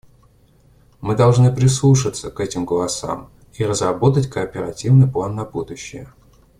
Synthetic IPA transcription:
mɨd̪ɐlˠʐnɨpɾʲɪslˠuʂɨt̪səkɛtʲɪmɡəlˠɐsa̰m | irəzrɐbo̞t̪̬ətʲkəːpʲɪɾɐtʲivnɨjplˠanːɐbud̪ʊɕːɪjə

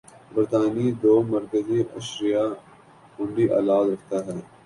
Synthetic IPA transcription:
bɐɾt̪aːnid̪oːmɐɾkəziʔɐʃɾija | kʊɳɖiʔa̰ːlaːd̪ɾɐkʰt̪aɦɛː

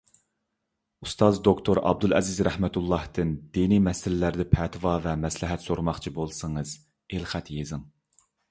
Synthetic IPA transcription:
ust̪ʰɑzd̪okt̪ʰoɾɑ̰b̚d̪ulˠɛ̰zɪzɾɛhmɛt̪ʰulˠːɑht̪ɨnd̪̥inimɛsɪlɪlæɾd̪ɪpʰɛt̪ʰvɑvɛmɛslɪɦɛt̪soɾmɑχt͡ʃʰibolˠsɨŋɨz | elχæt̪jezɨm

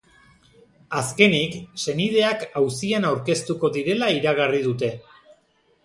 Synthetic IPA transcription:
aske̞nikse̞nið̞e̞akawsianawɾke̞st̪uko̞ðiɾe̞laiɾaɣarið̞ut̪e̞

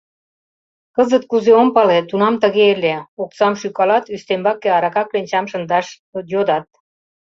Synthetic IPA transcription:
kəzət̪̚kuzeompɑlet̪unɑmt̪ə̆ɣeeleok̚sɑmʃykɑlɑt̪yst̪embɑkːeɑɾɑkɑklenʲt͡ɕɑmʃə̆nd̪ɑʃ | jod̪ɑt̪̚

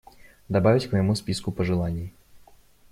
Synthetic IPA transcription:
d̪abavʲit͡sʲkmɐjmusʲpʲiskupɐʐɨlˠanʲːij

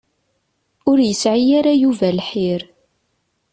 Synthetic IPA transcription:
ʊɾjəsʕijaɾajuvælħiɾ

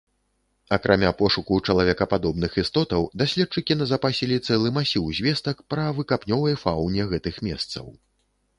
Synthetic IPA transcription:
ɐkɾʔamʲapɔʂukut͡ʂɐlˠavʲɛkɐpad̪ɔbnɨxist̪ɔt̪ɐwd̪asʲlʲɛt̚t͡ʂɨkʲinɐzɐpasʲilʲit̪sɛlˠɨmasʲiwzʲvʲɛst̪ɐkpɾɐvɨkapnʲɔvɐjfawnʲɛɣɛt̪ɨxmʲɛ̰st̪sɐ̰w

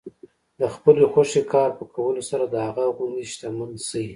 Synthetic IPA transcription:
d̪əxpəlexaʃekʰɑɾpəkʰawəlosaɾad̪əhaɣaɣʊnd̪iʃt̪amansai

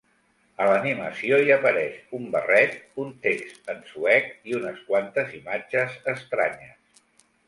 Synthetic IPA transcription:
ələniməsioiəpəɾɛʃumbə̰rɛt̪̚unt̪ekst̪ənsuɛkiunəskwant̪əzimad͡ʒəzəst̪ɾa̰ɲəs

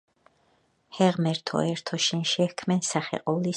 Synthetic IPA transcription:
hɛʁmɛɾt̪ʰɔ̰ɛɾt̪ʰɔʃɛnʃɛhkʰmɛnsaχɛ̰qʼɔvli

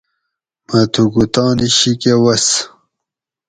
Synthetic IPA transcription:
mɐt̪ʰuɡut̪ɑ̃ːniɕikewɐs

